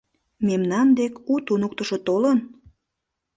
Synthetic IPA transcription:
memnɑnd̪ekut̪unok̚t̪əʃot̪olən

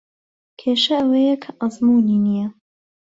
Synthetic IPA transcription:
kʰeːʃɐɐwɐjɐkʰɐʔɑzmuːninijɐ

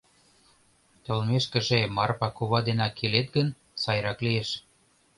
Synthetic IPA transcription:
t̪ɤ̆lmeʃkə̆ʒemɑrpɑkuβɑd̪enɑkʰːelet̪̚ɡən | sɑjɾɑklieʃ

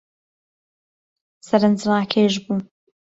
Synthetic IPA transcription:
sɐɾɨnd͡ʒɾaːkʰeːʒbuː

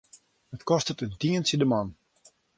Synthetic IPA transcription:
ətkɔstətədiənsədəmɔn

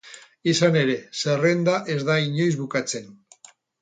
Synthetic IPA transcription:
isane̞ɾe̞sere̞nd̪aʔe̞zðaiɲo̞jzβukat͡se̞n

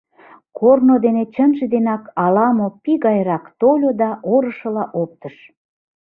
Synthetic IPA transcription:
kʰornod̪enet͡ɕənʒed̪enɑkɑlɑmopiɣɑjɾɑkt̪olʲod̪ɑʔoɾə̆ʃə̆lɑʔop̚t̪əʃ

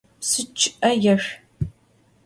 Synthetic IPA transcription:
sɨt͡ʃʰʔɐjɛʂ

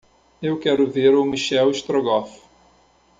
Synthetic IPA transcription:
ewkɛɾʊveɾʊmiʃɛwiʃt̪ɾoɡɔf

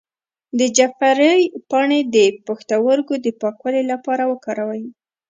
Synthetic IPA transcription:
d̪əd͡ʒafaɾəjpɑɳed̪əpaxt̪awəɾɡod̪əpɑkwalelapɑɾawəkɑɾawaji

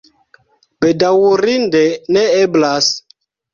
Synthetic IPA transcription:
bedawuɾindɛnɛeblas

